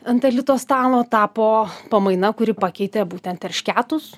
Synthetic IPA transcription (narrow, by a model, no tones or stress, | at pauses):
ɐnt̪ɐlʲɪt̪oːst̪ɑːlˠoːt̪ɑːpoːpɐmɐɪnɐkʊɾʲɪpɐkʲɛɪt̪ʲɛbuːt̪ʲɛnt̪ɛɾʃʲkʲæːt̪ʊs